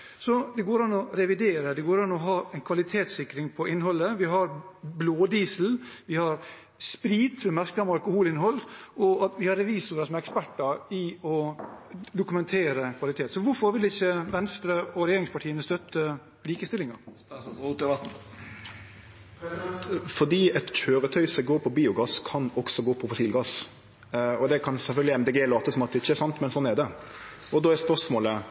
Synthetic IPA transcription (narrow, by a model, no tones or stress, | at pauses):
sɔd̪ɛɡoːɾɑnːɔɾɛʋɪd̪eːɾəd̪ɛɡoːɾɑnːɔɦɑːɛnkʰʋɑlɪt̪ʰeːt̪sɪkɾɪŋpʰɔɪnːɦɔlːəʋɪɦɑɾbloːd̪iːsl̩ʋɪhɑɾ | spɾiːd̪ʋɛmæɾklɑmɑlkʊhuːlɪnɦɔlːʔɔɑt̪ʋɪhɑɾːɛʋiːsʊɾəsɔmɛkspæʈːɑɾɪɔ | d̪ʊkʉmɛnt̪ʰeːɾəkʰʋɑlɪt̪ʰeːt̪sɔʋʊɾfɔɾʋɪlɪçːəʋɛnst̪ɾəɔɾɛjeːɾɪŋspɑʈʰiːənəst̪œt̪ʰːə | liːkəst̪ɪlɪŋɑɾ | uːɛbɑt̪̩ | ɑnt̪fɔd̪iːɛt̪c͡çøːɾət̪ʰœʏsɔɛɡoːpʰɔbiːʊɡɑskʰɑnɔɡ̥sɔɡoːpʰɔfɔsiːlɡɑs | ɔd̪ɛkʰɑnsɛlfœlɡ̪lɪɛmd̪ɛɡeːlɑːt̪əsɔmɑt̪̚d̪ɛɪçːəɛɾsɑnt̪mɛnsɔnːɛd̪ɛ | ɔd̪ɔːɛspœʂmoːlə